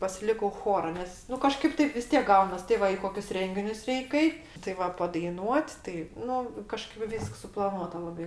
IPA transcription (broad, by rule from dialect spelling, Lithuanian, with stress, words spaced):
pɐsʲɪˈlʲɪkɐʊ ˈxoːrɐ ˈnʲɛs nʊ kɐˈʃkɐɪp ˈtɐɪp ʋʲɪs ˈtʲiɛk ˈɡɐʊnɐs tʲɪ ˈʋɐ ɪ ˈkoːkʲʊs ˈrʲɛŋʲɡʲɪnʲʊs ˈrʲɛɪk ˈɐɪt tɐɪ ˈʋɐ pɐdɐɪˈnuɔtʲ tɐɪ ˈnʊ kɐˈʃkɐɪp ˈʋʲiːsks sʊplˠɐˈnuɔtɐ ˈlˠɑːbɐɪ